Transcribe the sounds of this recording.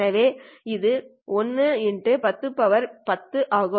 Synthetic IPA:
ɐʋeːɪðɯ | ɔnːɯɛnɖɯpɐt̪ːɯpːɐʋɐɾpɐt̪ːɯʔaːɣɯ

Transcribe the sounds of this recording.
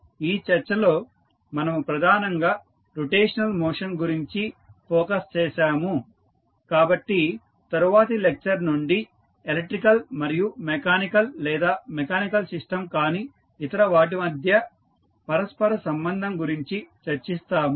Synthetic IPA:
iːt͡ʃɐɾt͡ʃːɐlo̞ː | mɐnɐmupɾɐd̪ʱaːnɐŋɡaː | ɾuʈeːʂɐnɐlmoːʂɐnɡuɾiɲt͡ʃipʰɔːkɐst͡ʃɛːʃaːmu | kaːbɐʈːi | t̪ɐɾuʋaːt̪̬ɐlek̚t͡ʃɐɾnuɳɖi | elek̚ʈːɾikɐlmɐɾijumekaːnikɐllɛːd̪aːmɛkaːnikɐlsiʂʈɐmkaːniː | t̪ɐɾɐʋaːʈ̬imɐd̪ʱjɐ | pɐɾɐspɐɾɐsɐmbɐnd̪ʱɐmɡuɾiɲt͡ʃit͡ʃɐɾt͡ʃist̪aːmu

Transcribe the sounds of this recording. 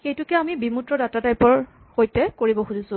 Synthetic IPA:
xejtʊkɛamibimutɹɔdatatajpɔɹ | xojtɛkoɹibɔxuzisʊ̃

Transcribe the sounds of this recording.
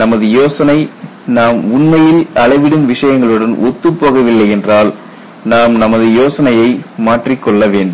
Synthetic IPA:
nɐmɐðɯjoːsɐnɐɪ | naːmʊɳmɐjɪlɐlɐɪʋɪɽɯmʋɪʂɐjɐŋɡɐɭɯɽɐnʔɔt̪ːɯpːoːɣɐʋɪlːɐɪɛndraːl | naːmnɐmɐðɯjoːsɐnɐjɐɪmaːʈrikːɔɭːɐʋeːɳɖɯm

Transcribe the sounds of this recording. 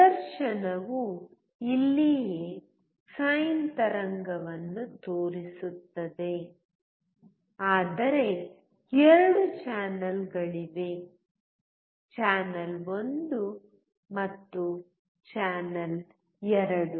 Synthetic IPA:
d̪ɐɾʃɐnɐʋu | ilːije | sajɐnt̪ɐɾɐŋɡɐʋɐnːut̪oːɾisut̪ːɐd̪e̞ | aːd̪ɐɾe̞ | ɛɾɐɽut͡ʃaːnɐlɡɐɭiʋe̞ | t͡ʃaːnɐlo̞nd̪u | mɐt̪ːu | t͡ʃaːnɐl | ɛɾɐɽu

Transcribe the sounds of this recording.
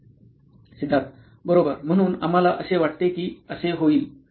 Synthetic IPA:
sid̪ʱːat̪̚ | bəɾobəɾm̤əɽ̃uːna̰m̤alaʔəseʋaʈt̪ekiːəseɦoiːl

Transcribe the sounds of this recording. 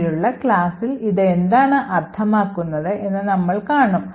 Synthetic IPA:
ɾuɭːɐkɭaːsiliðend̪aːɳɨʔɐrt̪ʰɐmaːkːunːɐðɨʔe̞nːɨnɐmːɐɭkaːɳum

